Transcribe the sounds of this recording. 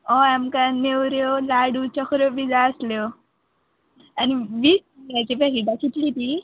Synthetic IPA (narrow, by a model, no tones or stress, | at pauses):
ɔamkanewɾjolaɽut͡ɕɔkʰɾobid͡zaəslo | aniʋisɡat͡ɕepaɦiʈat͡ɕit̪lit̪i